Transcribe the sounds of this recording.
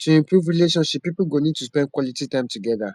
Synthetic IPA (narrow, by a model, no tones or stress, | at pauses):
tʰuĩmpʰɾuvɾileʃɔ̃nʃip̚ːipulɡonid̚tuspɛ̃n̚kwɔlititãɪ̃mtuɡɛða